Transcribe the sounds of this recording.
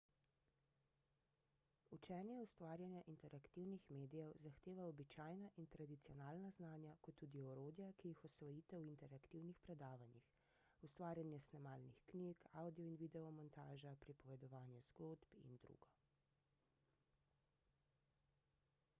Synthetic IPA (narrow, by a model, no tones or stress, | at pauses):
ut͡ʃɛːnjɛust̪ʋaːɾjanjaʔint̪ɛɾakt̪iwnixmeːd̪ijɛwzaxt̪eːʋaɔbit͡ʃaːjnaʔint̪ɾad̪it̪sijɔnaːlnaznaːnjakɔt̪ːuːd̪iɔɾoːd̪jakijixɔsʋɔjiːt̪ɛwint̪ɛɾakt̪iwnixpɾɛd̪aːʋanjix | ust̪ʋaːɾjanjɛsnamaːlnixknikawd̪iɔinʋid̪ɛɔmɔnt̪aːʒapɾipɔʋɛd̪ɔʋaːnjɛz̥ɡoːd̪bḭnd̪ɾṵːɡɔ